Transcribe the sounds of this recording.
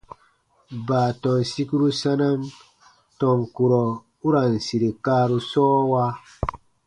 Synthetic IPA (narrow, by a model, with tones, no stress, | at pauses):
baː˨tɔ˨n˨si˦ku˦ɾu˦sa˦na˦n | tɔ˨ŋku˨ɾɔ˨ | u˦ɾa˨n˨si˨ɾe˨ka˦ɾu˨sɔː˦wa˦